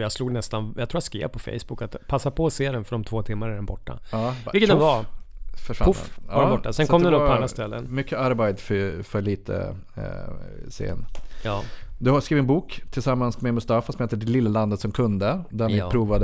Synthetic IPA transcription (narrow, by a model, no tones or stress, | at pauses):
jaɡsluːɡnɛst̪anjat̪ʰɾuːjaskḛːpʰɔfɛ̰jsb̥ʊkːat̪pʰasːapʰɔːseːɾɛnfœɖɔmt̪ʰvoːt̪ʰɪmːaɾædɛnbɔʈːa̰ɑːvɪlkːəd̪ɛvafœʂvafaɾɛbɔʈːasɛnkɔmd̪ɛnɵpʰːɔanɾast̪ɛlːə̰nmʏkʰːəaɾbɛɪd̪fœfœɭiːt̪ʰə̰ | sḛə̰nː | d̪ɵhaskɾiːvɪɛnbuːkt̪ʰɪlsamːansmemʊst̪ɑːfasɔmheːt̪əɖɛlɪlːaland̪ət̪sɔmkʰɵnd̪əd̪ænɪpʰɾuːvad̪